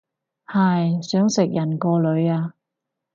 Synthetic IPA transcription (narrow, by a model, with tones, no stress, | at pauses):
hɐ˨jsœː˨˥ŋsɪ˨k̚jɐ˨˩nkɔː˧lɵ˨˧˥ɥaː˧